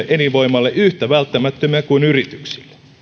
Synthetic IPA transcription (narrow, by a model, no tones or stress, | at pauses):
eʔeniʋʋo̞imɑlːeʔyht̪æʋælt̪ːæmæt̪ːømiækuinyrit̪yksi̥lːe̥